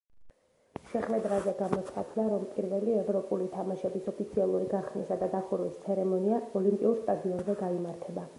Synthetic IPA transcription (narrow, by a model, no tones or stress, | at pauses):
ʃɛχwɛd̪ɾazɛɡamɔt̪sʰχat̪ʰlaɾɔmpʼiɾvɛliɛvɾɔpʼulit̪ʰamaʃɛbisɔpʰit̪sʰialˠuɾiɡaχsnisad̪ad̪aχʰuɾwist̪sʰɛɾɛmɔniaɔlimpʼiuɾst̪ʼad̪iɔnzɛɡaimaɾt̪ʰɛba